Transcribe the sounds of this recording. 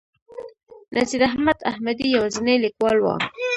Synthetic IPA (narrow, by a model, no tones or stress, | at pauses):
nʔasiɾaɦmad̪ahmad̪ijawazɪnelikwɑlwɑ̰